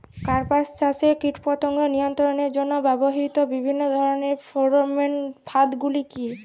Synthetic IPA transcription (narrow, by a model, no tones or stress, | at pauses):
kaɹpassasekiʈʰpɔt̪ɔŋɡɔnijɔnt̪ɔɹɔned͡ʒɔnɔbɛbɔɦit̪ɔbibʱinːɔd̪ʱɔɹɔnepʰoɹmenpʰad̪ɡuliki